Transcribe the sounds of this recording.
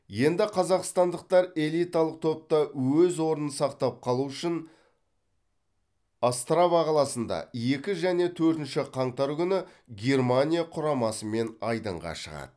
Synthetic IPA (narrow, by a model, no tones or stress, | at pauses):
je̞nd̪ɪqʰɑzɑqst̪ɑnd̪əq̚t̪ɑɾe̞lˠijt̪alˠəq̚t̪ʰo̞p̚t̪ɑwɵzwo̞ɾənəsɑqt̪ɑp̚qʰɑlˠuʏʃɪn | ast̪ravaqʰɑlˠɑsənd̪ɑ̰je̞kʲɪʒæne̞t̪ʰɵɾt̪ɪnʃɪqʰɑɴt̪ɑɾkʲʏnɪ | ɡʲe̞rmanʲijaqʰʊɾɑmɑsəme̞nɑjd̪ə̰ɴʁɑ̰ʃəʁɑ̰d̪̥ə